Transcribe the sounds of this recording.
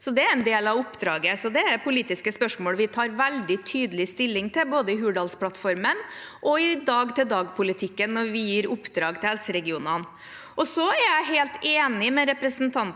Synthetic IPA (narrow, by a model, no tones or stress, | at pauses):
sɔd̪ɛæɾɛnd̪eːlɑʋʊpːd̪ɾɑːɡəsɔd̪ɛæpʰʊliːt̪ɪskəspœʂmoːlʋɪt̪ʰɑːɾʋæld̪ɪt̪ʰyːd̪əlɪst̪ɪlːɪŋt̪ʰɪlboːd̪əɪɦʉːɖɑːlspʰlɑt̪fɔɾmənʔɔɪd̪ɑːɡt̪ʰɪld̪ɑːɡpʰʊlɪt̪ʰɪkːənːɔɾʋɪjiːɾʊpːd̪ɾɑːɡt̪ʰɪlhɛlsəɾɛɡɪuːnɑn | ʔɔsɔæɾjæɪɦeːlt̪eːnɪmɛɾɛpɾəsnt̪ʰɑnt̪